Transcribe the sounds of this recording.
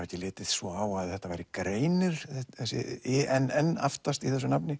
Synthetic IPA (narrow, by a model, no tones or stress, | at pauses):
ɾɛhcːɪlɪːt̪ɪðsvɔaːwaðθɛht̪avajɾɪkɾeːjnʏɾ̥θɛθɛsɪ̰ɛnːɛnːa̰ft̪ast̪iθɛs̬ːʏnapnɪ